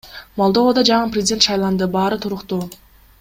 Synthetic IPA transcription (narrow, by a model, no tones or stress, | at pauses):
molˠd̪ood̪ɑd͡ʒɑɴɯprʲɪzʲɪdʲe̞nt̪ʃɑjlˠɑnd̪ɯbɑːɾɯt̪ʰuɾʊqt̪u